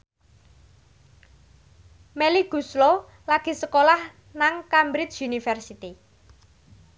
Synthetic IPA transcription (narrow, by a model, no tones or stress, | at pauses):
meliɡ̥ṳslo | laɡ̥i̤səkolah | naŋkambɾit͡ʃunifɛrsit̪i